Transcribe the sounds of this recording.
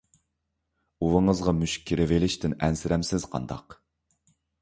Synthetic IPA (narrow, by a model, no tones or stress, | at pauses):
uwɨŋəzʁɑmyʃk̚ʲʰːiɾɪvelɪʃt̪ɪnɛnsɪɾɛmsɪz̥qʰɑ̰nd̪ɑ̰q